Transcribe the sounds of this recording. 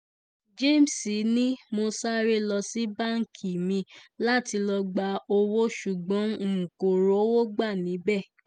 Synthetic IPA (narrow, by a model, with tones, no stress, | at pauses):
d͡ʒe˦˨m˨si˨˦nĩ˦mo˧sa˦ɾe˦lɔ˧si˦ba˦ŋ̩˨kʰi˨mĩ˧la˦ti˧lɔ˧ɡ͡ba˧˦o˧wo˦ʃu˨ɡ͡bɔ̃˨˦ŋ̩˨ko˨ɾo˨˦wo˦ɡ͡ba˦˨nĩ˨˦bɛ˦˨